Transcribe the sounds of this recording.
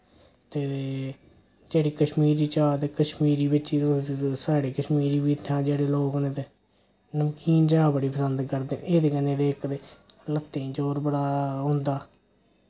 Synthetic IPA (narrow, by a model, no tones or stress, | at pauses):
t̪eː | d͡ʒeːɽiːkəʃmiːɾiːt͡ʃaːt̪eːkəʃmiːɾiːbɪt͡ʃiːnũːsaːɽeːkəʃmiːɾiːbiːt̪ʰːãːd͡ʒeːɽeːloːkneːt̪eː | nəmkiːnd͡ʒaːbəɽiːpəsənd̪kəɾd̪eːneːd̪eːkəneːd̪eːɪkd̪eːlət̪ːẽːd͡ʒoːɾbəɽaːɦõːnd̪aː